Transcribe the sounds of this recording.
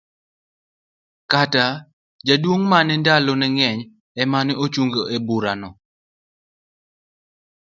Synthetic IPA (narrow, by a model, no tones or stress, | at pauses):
kata | d͡ʒadwoŋmanɛndalɔnɛŋɛɲ | ɛmaneot͡ʃuŋɡoebuɾanɔ